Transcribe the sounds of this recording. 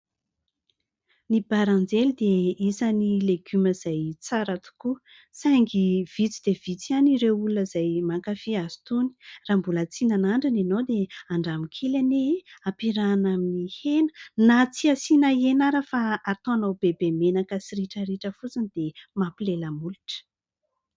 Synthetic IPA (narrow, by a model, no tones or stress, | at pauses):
nibaɾãnd͡zelid̪eisənileɡyməz̥ajt͡saɾat̪u̥ku | sajŋɡiv̥it͡sid̪̥evit͡sianiɾewulunəzajmakafiaz̥i̥t̪uni̥raːmbulat͡sinanaɳɖ͡ʐaninowd̪eaɳɖ͡ʐamikʰelaneapiɾanaminihenənat͡siasinaenaɾəfaːt̪oanawbebemenakəsiɾiʈ͡ʂəɾiʈ͡ʂəfut͡sinid̪emapileləmulu̥ʈ͡ʂə̥